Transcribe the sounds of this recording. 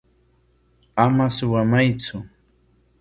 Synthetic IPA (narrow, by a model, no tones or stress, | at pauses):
amasʊwamajt͡sʊ